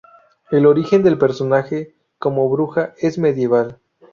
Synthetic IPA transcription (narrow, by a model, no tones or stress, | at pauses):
e̞lo̞ɾixe̞nd̪e̞lpe̞ɾso̞naxe̞ | ko̞mo̞βɾuxae̞zme̞ðje̞βal